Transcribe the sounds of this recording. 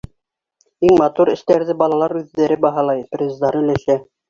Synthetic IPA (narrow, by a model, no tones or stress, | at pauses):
iŋmɑt̪uɾɘ̆ʃt̪æɾðɘbɑlˠɑlˠɑɾʉðːæɾɘbɑɦɑlˠɑjprʲezd̪ɑɾɘ̆læʃæ